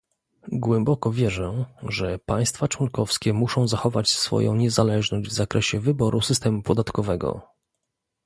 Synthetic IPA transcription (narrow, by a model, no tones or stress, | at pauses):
ɡwɛmbɔkɔvʲjɛʐɛʐɛpaj̃st̪fat͡ʂwɔnkɔfskʲɛmuʂɔ̃w̃zaxɔvat͡ɕsfɔ̰jɔ̰̃w̃ɲɛzalɛʐnɔʑd͡ʑvzakɾʔɛɕɛvɘbɔɾʔusɘst̪ɛmupɔd̪at̪kɔvɛɡɔ̰